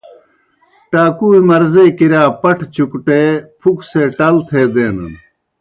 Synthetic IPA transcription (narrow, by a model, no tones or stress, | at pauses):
ʈaːkuːimɐɾzekiɾaːpɐʈʰt͡ɕukʈeːpʰukseʈɐlt̪ʰeːd̪eːnɐ̰n